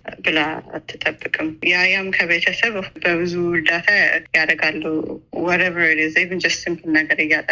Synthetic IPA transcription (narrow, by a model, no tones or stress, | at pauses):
bɨlaa̰t̪ʰːɨt̪ʼəbːɨkʼɨmjajamkʰəβet̪ʰəsəβbəbɨzuwʊld̪at̪ʰajad̪əɡalːəhwɔɾɛβəɾlizevɨnd͡ʒɛst̪imtɨnːaɡəɾɨjːat̪ʼə